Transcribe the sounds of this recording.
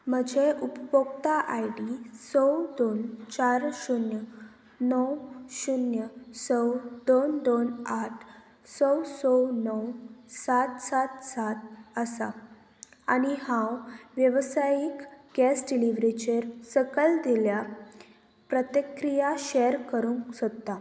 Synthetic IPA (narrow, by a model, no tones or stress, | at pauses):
m̤əd͡ʑʱeʔupbokt̪aʔajɖisɔwd̪ont͡ɕaɾɕunjə | nɔwɕunjəsəwd̪ond̪onaʈʰ | sɔwsɔwnɔwsat̪sat̪sat̪̚əsa̰ | aniɦãwʋjəʋsajikɡɛsɖiliʋɾet͡ɕeɾsəkəld̪ilja | pɾət̪əkɾijaɕɛɾkəɾũŋksɔt̪ːa